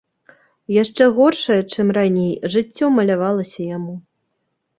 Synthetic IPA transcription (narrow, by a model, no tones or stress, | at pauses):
jaʂt͡ʂɛɣɔrʂɐjɐt͡ʂɨmranʲejʐɨt͡sʲːɔmɐlʲavalˠɐsʲɐjamu